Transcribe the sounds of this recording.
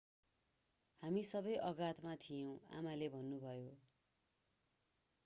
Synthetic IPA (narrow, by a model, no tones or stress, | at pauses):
hamisʌbʌjʔʌɡat̪mat̪ʰijʌw̃a̰malebʱʌnːubʱʌjo